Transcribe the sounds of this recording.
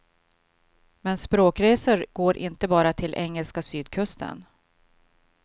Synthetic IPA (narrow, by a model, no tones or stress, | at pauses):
mɛnspɾoːkɾeːsəɾɡ̥oːɾʔɪ̰nt̪əbɑːɾat̪ʰɪlʔɛŋːəlskasyːd̪kʰɵst̪ʰə̰n